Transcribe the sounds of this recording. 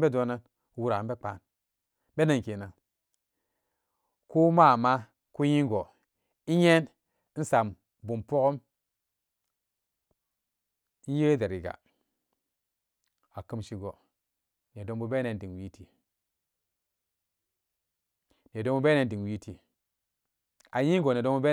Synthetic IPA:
be˦do˨˦na˦n˦ | wu˦ɾa˨m˦be˦k͡pa˨n | be˦na˨ŋke˨na˨ | ko˦ma˦˨ma˦ | ku˦ji˦ŋ˦ɡo˨ | i˦ɲe˦n˦ | n̩˦sa˨m | bu˨mpo˦ko˦m˦ | n˦je˦de˨ɾi˨ɡa̰˨ | a˨kɨ˦mʃi˦ɡo˨ | n˨e˨do˨ŋbu˦be˦e˨˦di˨ŋwi˦tʰi˨ | n˨e˨do˦ŋbu˦be˦e˨˦n˦di˨ŋwi˦ti˨ | a˨ji˦ŋɡo˨n˨e˨do˦bu˦be˦

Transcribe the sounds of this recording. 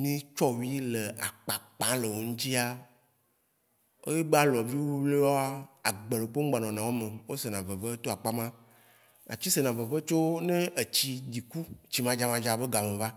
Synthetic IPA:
mĩ˦t͡ʃɔ˦wi˦le˨a̰˨k͡pa˨k͡pã˨˦le˨wo˨ŋũ˦t͡ɕi˦a˦ | o˦je˦ɡ͡ba˦lɔ˨vi˦wo˦le˦wɔ˦a˦a˨ɡ͡bə˨le˨k͡po˦ŋ̩˦ɡ͡ba˨nɔ̃˨nã˨wo˦mẽ˨wo˦se˨nã˨və˨və˦t̪o˦a˨k͡pa˦mã˦ | a̰˨t͡ɕi˦se˨nã˨və˨və˦t͡ʃo˦ne˦e˨t͡ɕi˦di˨ku˦t͡ɕi˨mã˨d͡ʒa˦mã˨d͡ʒa˨be˦ɡa˨mẽ˨va˦

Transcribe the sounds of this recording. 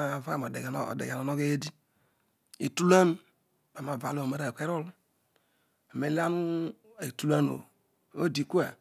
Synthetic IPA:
va˦ka˦˨m˨o˨de˨ɡ̰dḛ˨ɡa˨no˨no˦ɡe˦e˦di˦ | ḭ˨tu˦la˦n˦ | ba˨ma˨va˨lo˦˨o˨me˦ɾa˦˨kʷe˦ɾo˦lu˦ | a˨me˨la˦nu˦ | e˨tu˦la˦no̰˨ | o̰˦˨di˨ku˦a̰˨

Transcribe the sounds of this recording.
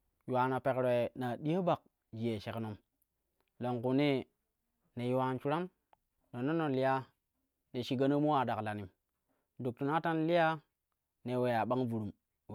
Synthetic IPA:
ju˨wa˨na˨pe˨kɾe˨na˨ɗi˦a˦ba˨k̚ | d͡ʒi˨je˨ʃe˨kno˦m | lo˨ŋku˨ni˦ | ne˨ju˨wa˨nt͡ʃu˦ɾa˦n | no˨nːo˦no˨nli˦ja˦ | ne˨ʃi˨ɡa˦no˦mu˦wa˨da˨kla˨ni˨m | du˨k̚tu˨na˦ta˦nli˦ja˦ | ne˨we˨ja˨ɓa˦ŋvu˨ɾu˨m

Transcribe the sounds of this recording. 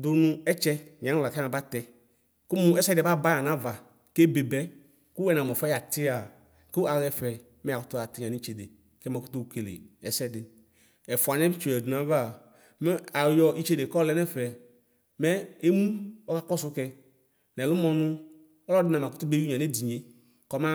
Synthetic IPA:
dʊ˨˧nʊ̃˧ɛ˦t͡ʃɛ˧ɲ˨a˨˦u˦la˨kna˧ba˦tɛ˧ | ku˦mu˦ɛ˦sɛ˦dba˦ba˦ja˨nã˦va˨ | ke˦be˨bɛ˦ | ku˦wɛ˨na˨mɔ˨fɛ˦ja˨tɪ˦a˨ | ku˦ʔa˨ɣɛ˧fɛ˨ | mɛ˦a˨kʊ˦tu˦a˨ti˨ɲã˨ni˦t͡ʃe˨de˨ | kɛ˦mɛ˧ku˦tu˧u˨ke˨lḛ˨ɛ˨sɛ˦dɪ˨ | ɛ˨fa˨n˦ɛ˦bi˦t͡ʃu˨ɛ˨du˨na˨˦va˦˨ | mɛ˦a˨jɔ˨ʔi˦t͡ʃe˦de˨kɔ˦lɛ˦nɛ˦fɛ˨ | mɛ˦e˦mu˦ɔ˦ka˦kɔ˦su˦kɛ˧ | nɛ˨lu˦mɔ˧nʊ˧˦ | ɔ˦lɔ˦dɪ˦na˨ma˨kʊ˦tu˦be˦u˦ɲã˨ne˦di˨ɲe˨˦ | kɔ˦ma˦

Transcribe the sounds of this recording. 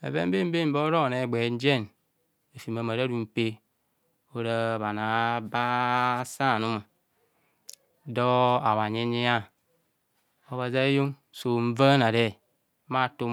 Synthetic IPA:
ḛ˨be˦m̩˦be˦m̩˦be˦˨m̩˦bo˦ɾo˦˨ne˨ɡ͡be˨˦n̩˦d͡ʒe˦˨n | e˨fi˨ma˨ma˨ɾa˦ɾu˨m̩˨pe˦ | o˦ɾa˦˨βa˨na˨ba˦sa˦˨nu˦ma˨ | dɔ˦a˨wa˨ɲe˦ni˦a˦ | o˨βa˨za˦jo˦ŋ | so˨ɱ̩˦va˦na˨ɾe˦˨˦ | ma˦˨tu˦

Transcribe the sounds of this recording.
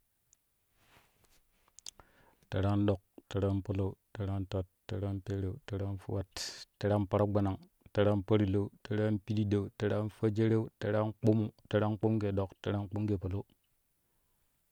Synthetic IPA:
te˨ɾa˦nɗo˨k̚te˨ɾa˦npo˦lo˦u˦te˨ɾa˦nta˦tːe˨ɾa˦npe˦ɾe˨u˦˨te˦ɾa˦n˦fu˦wa˦ttːe˦ɾa˦pa˦ɾa˦ɡ͡ba˨na˨ŋ | te˨ɾa˦npa˦ɾi˨lo˦u˦te˨ɾa˦npi˦di˦de˨u˨te˨ɾa˦nfa˦d͡ʒe˦ɾe˦u˦te˨ɾa˦nk͡po˦mu˨te˦ɾa˦ŋ˦k͡po˦mɡe˨ɗo˨kte˦ɾa˦n˦k͡pu˦mɡe˨po˨lo˦

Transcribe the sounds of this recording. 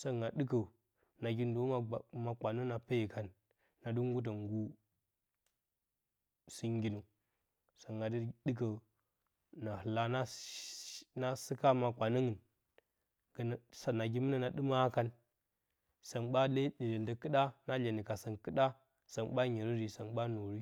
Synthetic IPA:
sa˦ŋɡa˨dɨ˦k̬ə˨ | na˨ɡʲi˦ndo˨˦ma˨ma˨kʷa˨nu˦na˨pe˦ji˨ka˨nː | a˨du˦ŋ˦ɡu˦t̬a˨ŋɡu˦ | si˦ŋ˦ɡʲi˦nu˨ | sa˨ŋɡa˨di˦dɨ˦k̬ə˨ | na˨hɨ˨la˦na˦ | na˦si˦ka˦ma˨kʷa˨nə˦ŋə˨n | ɡsa˨na˨ɡi˦mi˦na˨na˨ɗɨ˦ma˦ka˦n | sa˨nɓa˦le˦di˨le˨ndə˨kɨ˦ɗa˦na˦le˨ni˨ka˨sa˨nkɨ˦ɗa˦ | sa˨nɓa˦ɲi˨ɾi˦ɾi˨sa˨nɓa˦no˨ɾi˦

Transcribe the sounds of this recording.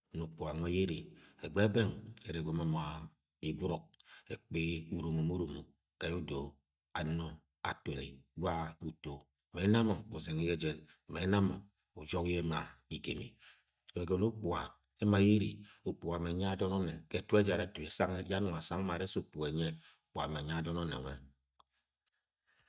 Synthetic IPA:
nu˨k͡pu˨a˨ŋʷe˦je˦ɾi˨e˨ɡ͡be˦be˦ŋe˨ɾe˨ɡʷo˨˦ma˦ma˨ | i˨ɡʷu˦ɾo˦k̚e˨k͡pe˦u˨ɾu˨mu˨mu˦ɾu˨mu˨ | ka˨ju˦do˨ | a̰˨no˦ | a̰˨te˨lḛ˨ɡʷa˦u˨to˨ | me˨˦na˦mo˨o˨ze˨ŋi˦je˦d͡ʒe˨n˨ | me˨˦na˦mo˨ | u˨d͡ʒo˦kje˦ma˨i˨ɡe˨mḭ˨ | e˨ɡo˨no˦k͡pu˨a˨ | e˦ma˨˦je˦ɾḭ˨u˨k͡pu˨a˨me˨ɲa˦a˦dɔ˦no˦ne˨ke˨˦tu˦e˦d͡ʒa˨ɾe˦tu˨e˨sa˦ŋ˦ja˦nu˨a˨sa˦ŋ˦ma˨ɾe˦so˨pu˨e˨ɲe˦˨ | k͡pu˨a̰˨me˨ɲa˦dɔ˦no˦nḛ˨ŋe˨

